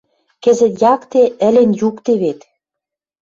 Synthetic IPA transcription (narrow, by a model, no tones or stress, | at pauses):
kɘ̆zɘ̆t̪jɑkt̪eə̆lenjukt̪eβet̪